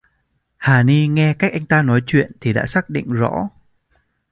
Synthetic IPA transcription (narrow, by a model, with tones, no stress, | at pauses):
haː˨˩ni˧ŋɛ˧kaː˦˥k̚ʔa˧jŋ̟t̪aː˧nɔ˨˦jt͡ɕwḭ˧˨ənt̪ʰi˨˩ɗa̰ː˧˥saː˦˥k̚ɗḭ˧˨ŋ̟zɔ̰˧˥